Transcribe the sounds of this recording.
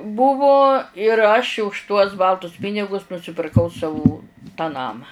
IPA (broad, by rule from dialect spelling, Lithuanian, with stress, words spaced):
ˈbʊʋʊ ɪr ɐʃʲ ʊʃ tuɔs ˈbɐlˠtʊs ˈpʲɪnʲɪɡʊs nʊsʲɪpʲɪrˈkɐʊ ˈsɑːʋuː tɑː ˈnɑːmɑː